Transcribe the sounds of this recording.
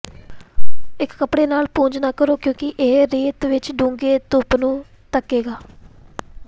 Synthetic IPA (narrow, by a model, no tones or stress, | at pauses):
ɪkːəpɽeːnaːlpũːɲd͡ʒnaːkəɾoːkjõːkɪʔeːɾeːt̪ʋɪt͡ʃɖũːŋɡeːt̪ʊpnũː | t̪əkːeːɡaː